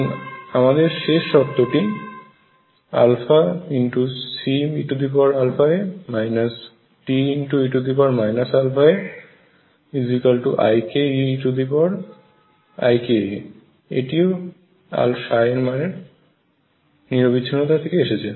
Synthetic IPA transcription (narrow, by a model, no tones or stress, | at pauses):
namad̪eɾʃeʃːɔpt̪ːoʈi | a̰lfʰainʈusimiʈud̪ipɔɾalfʰaemajnas | ʈiinʈuiʈud̪ipaɾmajnasalfʰae | izikalʈuʔa̰jkeiʈud̪ipɔɾ | a̰jke | ḛʈio | a̰lʃaeɾmaneɾ | niɾobitːʰinːot̪ʰat̪ʰekeeʃet͡ɕʰe